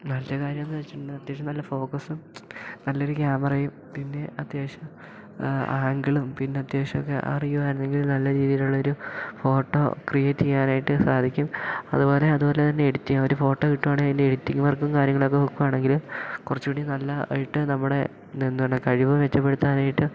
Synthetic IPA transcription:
nɐlːɐkaːɾjɐmenːɨʋet͡ɕːuʈuɳːɐt̪jeːɕɐmnɐlːɐfo̞ːkɐsumnɐlːoɾukʲaːmɐrɐjum | pinːe̞ɐt̪jeːʂɐm | aːŋɡɐɭumpinːe̞ɐt̪jeːʂɐmokːḛʔɐ̰rijːuʋaːɾunːe̞ŋɡilnɐlːɐɾiːðijɐluɭːɐo̞ɾufo̞ːʈːo̞̰ːkrijet͡ɕːijaːnaːjiʈːɨsaːd̪ʱikʲːumɐ̰ðubo̞ːle̞ɐðubo̞ːlet̪ɐnːe̞ːɽut̪ːiɐʋoɾufo̞ːʈːoiʈːumaːɳɨinːeeɽut̪ːikʲːumʋɐrkːumkaːɾjɐŋːɐɭo̞kːeokːumaːɳe̞ŋɡilmkurɐt͡ɕːuʋiɽijnɐlːɐɐ̰jiʈːɨnɐmːuɽe̞ | end̪oɳːɨkɐɻiʋɐʋet͡ɕːɐpːeɽut̪ːaːnaːjiʈːɨ

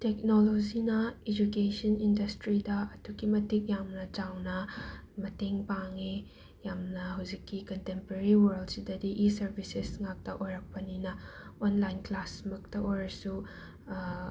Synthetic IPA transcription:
tek̚nolod͡ʒinɐed͡ʒukesɐnindɐstɾidɐɐdukimɐtik̚jamnɐd͡ʒawnɐmɐteŋpaŋe | jamnɐɦɐwzikːikɐntempoɾeɾiwɐɾldsidɐdiʔisɐɾbʱisesŋak̚tɐʔojɾɐk̚pɐninɐonlajnklasmɐk̚tɐʔojɾɐsu

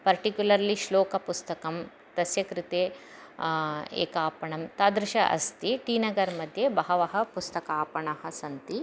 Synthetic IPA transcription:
pɐɾʈikjulɐɾliʃloːkɐpust̪ɐkɐm | t̪ɐsjɐkɾit̪eː | ḛːkaːpɐɳɐmt̪aːd̪ɾɪʃɐʔɐ̰st̪iʈiːnɐɡɐɾmɐd̪ʱjebɐɦɐʋɐɦɐ̆pust̪ɐkaːpɐɳɐɦɐsɐnt̪i

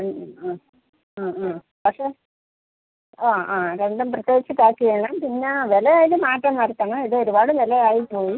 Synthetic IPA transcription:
pɐkʂe | oːaːɾeɳɖɐmprɐt̪joːɡit͡ɕːɨt̪aːkːiʋeːɳaːmpinːeʋelɐaːjilɨmaːʈːɐmʋɐɾɐt̪ːɐɳɐiðɨo̞ɾubaːɽɨnelɐaːjipːoːji

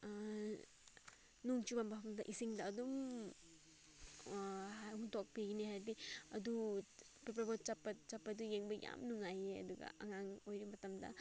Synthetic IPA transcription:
nuŋt͡ʃubambaɦɐmdɐʔisiŋdɐːdum | ɦahuntok̚piɡiniɦaɾbiɐdu | pepɾabot̚t͡ʃapːɐt͡ʃapːɐdujeŋbɐjʔa̰mnuŋajeɐ̰duɡɐ̰ɐ̰ŋaŋojɾimɐtɐmdɐ̰

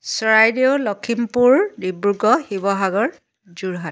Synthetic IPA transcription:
sɔɹajdeʊlɔkʰimpuɹdibɹuɡɔhibɔɦaɡɔɹ | d͡ʒuɹɦat

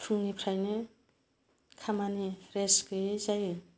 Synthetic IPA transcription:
pʰunipʰɾajne | kʰamaniɾeskɯzaj

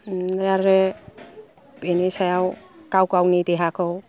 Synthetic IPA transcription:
ɾaɾɾe | benisajawkawkawnid̪eɦakɔw

